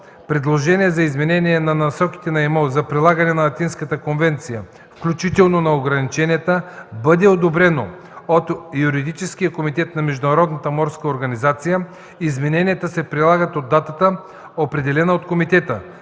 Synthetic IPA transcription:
pɾɛd̪lˠoʒɛniɛzɐizmɛnɛnʲiɛnɐnɐsɔki̥t̪ɛnɐɛmozɐpɾilˠaɡɐnɛnɐlˠɐt̪inskət̪əkonvɛnt̪sijə | fklʲut͡ʃit̪ɛlˠnonɐoɡɾɐnit͡ʃɛnʲijɛt̪əbəd̪ɛod̪obɾɛno | ot̪juɾid̪it͡ʃɛskijəkomit̪ɛt̪nɐmɛʒd̪ʊnɐɾɔd̪nət̪əmɔɾskəoɾɡɐnizat̪sijə | izmɛnɛnʲijɛt̪əsɛpɾilˠaɡət̪od̪ːat̪ət̪ə | opɾɛd̪ɛlɛnɐot̪komit̪ɛt̪ə

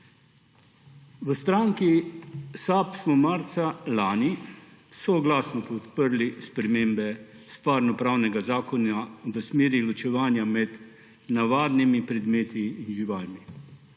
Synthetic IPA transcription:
ʋəst̪ɾaːŋkisaːpsmɔmaːɾt̪salaːnisɔɡlaːsnɔpɔt̪pəɾlispɾɛmeːmbɛ | st̪ʋaɾnɔpɾaːwnɛɡazaːkɔnaʋəsmeːɾilɔt͡ʃɛʋaːnjamɛd̪ | naʋaːd̪nimipɾɛd̪meːt̪ʰiːnʒiʋaːlmi

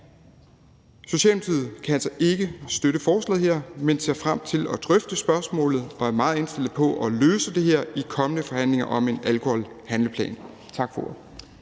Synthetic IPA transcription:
so̝ɕɛ̰ːlmet͡sʰið̰̩ˠkʰæælsɐʔe̝ɡ̥əsd̥øɾəfɒːslɛ̰ð̩ˠɦeɐ̰mense̝̰ɐfʁam̰t͡sʰe̝lɒ̽d̥ʁœfd̥əsb̥ɶɐsmɔ̰̽ːlð̩ˠɒ̽æɐmɑ̈ːð̞̩ˠe̝nsd̥e̝lð̩ˠpʰɒ̽ʔɒløːsəd̥e̝ɦeɐ̰ikʰɒ̽mənəfɒ̽hæn̰le̝ŋɐʔɒ̽me̝nælkʰo̝hɒl | hænləpʰlɛ̰ːn | t͡sʰɑ̈ɡ̥fo̰

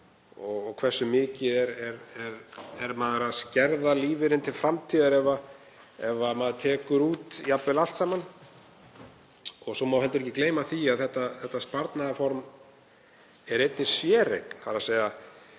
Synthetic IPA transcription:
ɔɣɔkʰvɛsːʏmɪːcɪðɛɾɛɾɛɾɛɾmaːðaɾaðscɛɾðaliːvɪɾɪnt̪ʰɪlfɾamt̪ʰiːðaɾɛva | ɛvamaðt̪ʰɛːkʏɾuːt̪japvɪlal̥t̪saːman | ɔɣsɔmawhɛlt̪ʏɾɛcːɪkleːjmaθiaðθɛht̪ːaθɛht̪ːaspaɾt̪naðafɔɾm | ɛɾejt̪nɪsjɛːɾḛjkn̥faɾaseːja

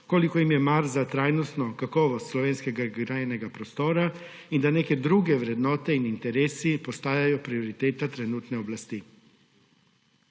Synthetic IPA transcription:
koːlikɔjimjɛmaɾzat̪ɾaːjnɔst̪nɔkakɔːʋɔst̪slɔʋeːnskɛɡaɡɾajɛnɛɡapɾɔst̪oːɾa | ind̪aneːkɛd̪ɾuːɡɛʋɾɛd̪nɔːt̪ɛinint̪ɛɾeːsipɔst̪aːjajɔpɾiɔɾit̪eːt̪at̪ɾɛnuːt̪nɛɔblast̪i

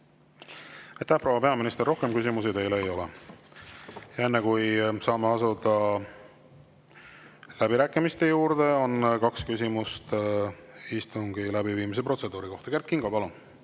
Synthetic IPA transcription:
ɑjt̪æhpro̞wːɑpeɑminist̪ero̞hke̞mkys̬ʲimus̬it̪e̞jleejo̞lḛ | jɑe̞nːekujsɑːmeɑsud̪ɑ | læbiɾæːkːˑimist̪e̞juːɾd̪̥e̞o̞nkɑkskys̬ʲimust̪ | ist̪uŋɡ̥ilæbiviːmis̬e̞pro̞t̪se̞d̪̥uːɾiko̞ht̪ɑ̥ke̞rt̪̚kiŋɡ̥ɑpɑlun

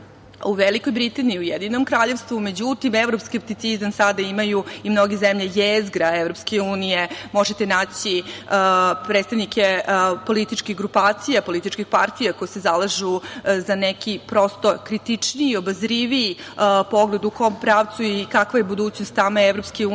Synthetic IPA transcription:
uʋeliko̞jbɾit̪aniiujed̪ino̞mkɾaʎe̞ʋst̪vʋume̞d͡ʑut̪imevɾopskep̚t̪it̪sizamsad̪aimajuimnoɡezemʎejezɡɾaevɾo̞pskeuːnijemo̞ʒet̪enaːt͡ɕi | pɾet̪st̪aʋnikepo̞lit̪it͡ʃkiɡɾupaːt̪sijapo̞lit̪it͡ʃkixpaɾt̪ijako̞jesezalaʒuzanekipɾo̞st̪o̞kɾit̪it͡ʂniiːo̞bazɾiʋiipo̞ɡled̪uko̞mpɾaːʋt̪suikakʋajebud̪uːt͡ɕnost̪ːameeʋɾo̞pskeu

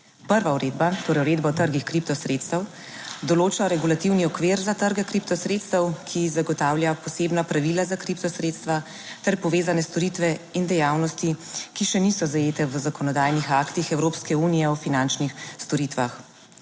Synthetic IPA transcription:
pəɾʋauɾeːd̪bat̪oːɾɛjuɾed̪bat̪əɾɡixkɾip̚t̪ɔsɾeːt̪st̪əw | d̪ɔloːt͡ʃɔɾɛɡulat̪iwniɔkʋeːɾzat̪əɾɡɛkɾipt̪ɔsɾet̪st̪əwkʰizaɡɔt̪aːwljapɔseːbnapɾaʋilazakɾipt̪ɔsɾeːt̪st̪ʋa | t̪ɛɾpɔʋeːzanɛst̪ɔɾit̪ʋɛind̪ɛjawnɔst̪ikiʃɛnisɔzajeːt̪ɛʋzakɔnɔd̪aːjnixakt̪ixɛwɾoːpskɛuːnijɛɔfinant͡ʃnixst̪ɔɾit̪ʋax

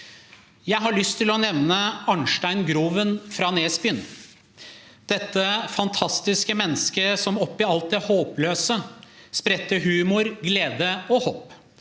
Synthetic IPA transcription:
jæɪɦɑɭʏst̪ʰːɪlɔnɛʋnəɑɳʂʈæɪnɡɾuːʋənfɾɑːneːsbʏən | d̪̥ɛt̪ːəfɑnt̪ʰɑst̪ɪskəmɛnːəskəsɔmɔpːɪɑlt̪̚d̪ɛhoːpløːsəspɾɛt̪ːəɦʉːmʊɾɡleːd̪əɔhoːp

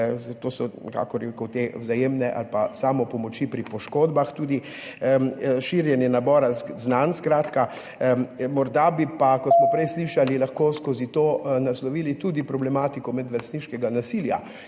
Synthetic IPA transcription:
t̪oːsɔɛka̰ːkɔɾkɔt̪ewzajeːmnɛʔa̰lpasaːmɔpɔmɔt͡ʃipɾipɔʃkoːd̪baxt̪uːd̪i | ʃiːɾjɛnjɛnabɔːɾaznanskɾaːt̪ka | mɔɾd̪abipakɔsmɔpɾɛjsliʃalilaxkoːskozit̪onaslɔʋiːlit̪ud̪ipɾɔblɛmaːt̪ikɔmɛd̪ʋɛst̪niʃkɛɡanasilja̰

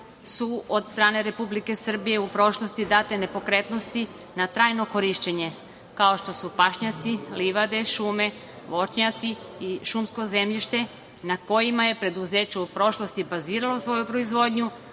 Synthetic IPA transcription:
suod̪st̪ɾaːne̞ɾe̞publike̞sr̩bije̞upɾo̞ʃlˠo̞st̪id̪aːt̪e̞ne̞po̞kɾe̞t̪no̞st̪i | nat̪ɾaːjno̞ko̞ɾiʃt͡ɕe̞ɲe̞ | kao̞ʃt̪o̞supaʃɲat̪siliʋad̪e̞ʃuːme̞ | ʋo̞t͡ʃɲat̪siiʃumsko̞ze̞mʎiʃt̪e̞ | nako̞jimaje̞pɾe̞d̪uzeːt͡ɕuupɾo̞ʃlo̞st̪ibaziːɾalosʋo̞jupɾo̞izʋo̞d̪ɲu

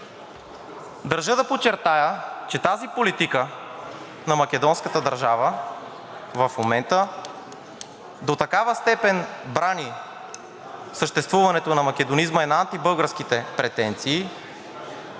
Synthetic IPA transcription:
d̪ɐɾʒɤd̪ɐpot͡ʃɛɾt̪ajət͡ʃɛt̪azipolit̪ikə | nɐmɐkɛd̪ɔnskət̪əd̪ɐɾʒavə | vɐfmomɛnt̪ə | d̪ot̪ɐkavəst̪ɛpɛnbɾani | səʃt̪ɛst̪vuvɐnɛt̪onɐmɐk̟ɛd̪onizməɛnaant̪ibɤlˠɡəɾsk̟it̪ɛpɾɛt̪ɛnt̪siː

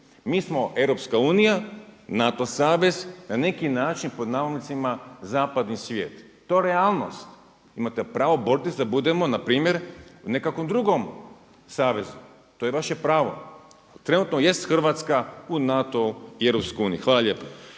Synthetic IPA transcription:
miːsmo̞ʔe̞vɾo̞pskauːnijanat̪o̞saːʋe̞znane̞kinaːt͡ʃinpo̞d̪naːʋolnit̪simazaːpad̪nisʋjḛːt̪ːo̞jeɾeaːlˠno̞̰st̪ | imat̪epɾaːʋo̞bo̞ɾt̪isd̪abud̪e̞mo̞napɾiːmje̞ɾune̞kakʋo̞md̪ɾuɡo̞m | saːʋe̞zu | t̪ojeʋaʃepɾaːʋo̞̰ | t̪ɾe̞nuːt̪noje̞st̪xrʋaːt̪skaunat̪o̞ie̞vɾopskojuːnijixʋaːlaʎje̞ːpa

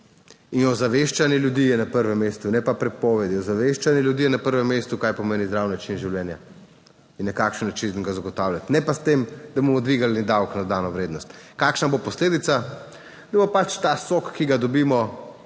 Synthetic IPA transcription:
inɔzaʋeʃt͡ʃanjɛljud̪ijɛnapəɾʋɛmːest̪unɛpapɾɛpɔːʋɛd̪iɔzaʋeʃt͡ʃanjɛljud̪iːjɛnapəɾʋɛmːest̪ukajpɔmeːnizd̪ɾawnat͡ʃinʒiwljɛːnja | inːɐkaːkʃənːɐt͡ʃinɡazaɡɔt̪awlʲjat̪nɛpast̪emd̪ɐbomɔd̪ʋiɡalnid̪awknad̪aːnɔʋɾeːd̪nɔst̪kaːkʃnabopɔsleːd̪it̪sa | d̪ɐbopat͡ʃt̪asokːiɡad̪ɔbiːmɔ

